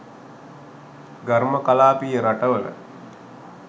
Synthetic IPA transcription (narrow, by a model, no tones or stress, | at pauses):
ɡaɾməkalaːpijəɾaʈəʋələ̰